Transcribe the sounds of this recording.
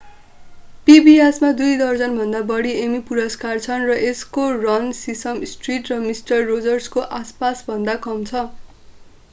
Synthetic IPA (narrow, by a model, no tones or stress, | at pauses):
pibiasmad̪ujd̪ʌrd͡zʌnbʱʌnd̪abʌɽiemipuɾʌskart͡sʰʌnrʌʔeskorʌnsisʌmsʈriʈrʌmisʈʌrːod͡zʌrskoʔaspasbʱʌnd̪akʌmt͡sʰʌ